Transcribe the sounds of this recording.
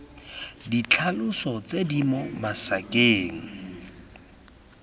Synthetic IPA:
dit͡ɬʰalʊsɔt͡sedimɔmasakeːŋ̩

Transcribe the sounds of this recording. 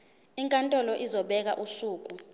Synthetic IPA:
iŋkʼantʼɔlɔʔizɔɓɛk̬aʔusuːk̬ʼu

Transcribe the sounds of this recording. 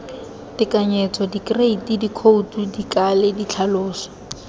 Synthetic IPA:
tɪkaɲɛt͡sʰɔdikreitidikʰoutudikalɪdit͡ɬʰalʊːsɔ̥

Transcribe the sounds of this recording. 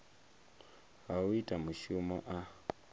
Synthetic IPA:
hawitʼamuʃumɔʔa

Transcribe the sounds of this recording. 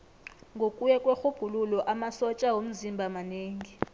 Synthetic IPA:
ŋɡʱokʼujɛkʼwexub̥ʱululɔʔamasɔt͡ʃʼawom̩zimbʱamaneːŋi

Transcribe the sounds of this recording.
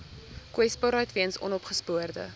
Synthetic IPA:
kwɛspɑːɾœɥtviənsɔ̰nɔpχəspuərdə̰

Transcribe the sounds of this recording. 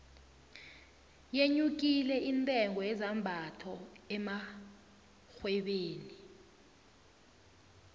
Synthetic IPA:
jeɲuk̬ʼilɛʔintʼɛŋɔjɛzambʱatʰɔɛma | xwɛɓeːni

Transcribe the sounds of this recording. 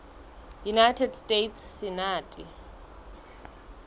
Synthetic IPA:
junajtʰɛdstʼetʰssɪnaːtʼi

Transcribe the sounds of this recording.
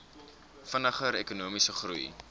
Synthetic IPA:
fənɐχəɾekunuəmisəχrṵj

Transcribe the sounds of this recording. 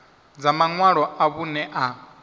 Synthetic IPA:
d͡zamaŋwaɺɔaβunɛʔa

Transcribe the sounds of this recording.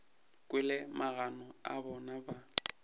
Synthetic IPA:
kʼwɪlɛmaɣanɔa̰bɔnaba

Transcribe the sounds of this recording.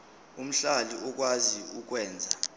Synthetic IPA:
um̩ɬaliʔuk̬waziuk̬wɛːnd͡zʱa

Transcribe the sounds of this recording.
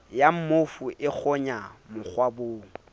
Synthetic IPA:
jam̩mofʊʔɪk͡xʰɔɲamʊk͡xʰwaboːŋ̩

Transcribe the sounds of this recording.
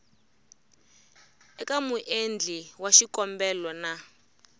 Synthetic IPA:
ɛkamuʔend͡ɮiwaʃikɔmbɛlɔna

